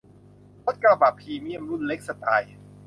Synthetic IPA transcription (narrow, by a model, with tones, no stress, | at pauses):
lo˦˥t̪̚kaː˧˩ba˨˩pʰiː˧mi˦˥˩ə˨mɾu˥˩nle˦˥k̚sa˧t̪aː˧j